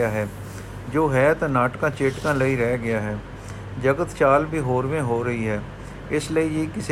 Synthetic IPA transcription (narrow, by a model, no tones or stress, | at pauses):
aːɦɛː | d͡ʒoːɦɛːt̪anaːʈkãːt͡ʃeːʈkãːləiɾɛːɡɪjaːɦɛː | d͡ʒəɡət̪t͡ʃaːlbʱiːɦoːɾʋẽɦoːɾəɦiɦɛː | ɪsləijikɪs